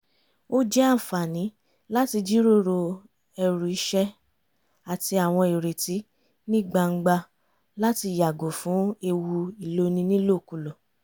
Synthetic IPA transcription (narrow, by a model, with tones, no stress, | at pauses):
o˦d͡ʒɛ˦a˦˨fa˨nĩ˨˦ | la˦ti˧d͡ʒi˦ɾo˦˨ɾo˧ | ɛ˧ɾu˨i˧˦ʃɛ˧ | a˨ti˧a˨w̃ɔ̃˧e˨ɾe˨ti˨˦ | nĩ˦˨ɡ͡ba˧ŋ̩˦ɡ͡ba˧ | la˦ti˧˨ja˨ɡo˨fũ˨˦e˧wu˧i˨lo˦nĩ˧˦nĩ˦lo˦˨ku˨˧lo˨